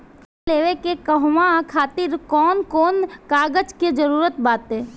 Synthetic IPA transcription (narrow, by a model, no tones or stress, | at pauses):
k | leːʋekekəɦmakʰaːt̪ɪɾkɔːnkɔːnkaːɡəd͡ʒked͡ʒəɾuːɾət̪baːt̪ɦɛː